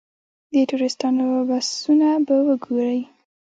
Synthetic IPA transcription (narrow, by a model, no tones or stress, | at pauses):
d̪əʈuɾɪst̪ɑnobasunabawəɡoɾəj